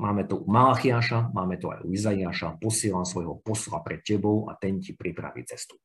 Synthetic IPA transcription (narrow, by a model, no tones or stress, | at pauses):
maːmɛt̪uumalaːxiaːʃamaːmɛt̪ua̰jṵizaiaːʃapɔsɪɛlaːmsʋɔjɦɔpɔsla̰pɾɛt̪̚cɛbɔʊa̰t̪ɛncipɾipɾa̰ʋḭːt͡sɛst̪u̥